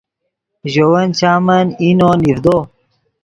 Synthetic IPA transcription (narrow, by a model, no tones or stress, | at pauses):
ʑowɐnt͡ɕaːmɐninoniɾd̪oː